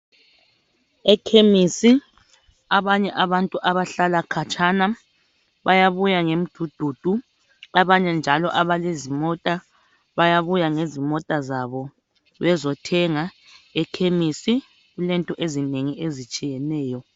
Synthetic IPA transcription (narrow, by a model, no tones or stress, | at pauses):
ɛkʰemisi | aβaɲɛʔaβantʼuʔaβaɬalakʰat͡ʃʼana | βajaβujaŋem̩d̥ʱud̥ʱud̥ʱu | aβaɲɛnd͡ʒʱalɔʔaβalezimɔtʼa | βajaβujaŋezimɔtʼazaβɔ | βɛzɔtʰɛŋa | ɛkʰemisi | ɣulɛntʼɔʔezineŋiʔezit͡ʃʼijɛnɛːjɔ